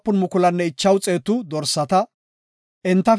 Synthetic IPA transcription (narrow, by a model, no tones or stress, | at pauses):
pːʊnmʊkʊlɐnːɛɪt͡ʃːɐwt͡sʼe̞ːt̪ʊd̪ɔɾsːɐt̪ɐ | ʔɪnt̪ːɐ